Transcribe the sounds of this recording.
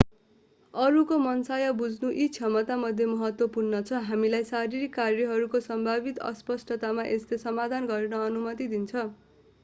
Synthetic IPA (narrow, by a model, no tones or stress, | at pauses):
ʌɾukomʌnsajʌbud͡znuʔit͡sʰʌmʌt̪amʌd̪ʱjemʌɦʌt̪wʌpurnʌt͡sʰʌɦamilajsaɾiɾikːarjʌɦʌɾukosʌmbʱaβit̪ʌ̰spʌsʈʌt̪amaʔeslesʌmad̪ʱanɡʌrnʌʌnumʌt̪id̪int͡sʰʌ